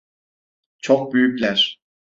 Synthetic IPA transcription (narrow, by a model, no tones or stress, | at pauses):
t͡ʃʰok̚byjyclʲæɾ̥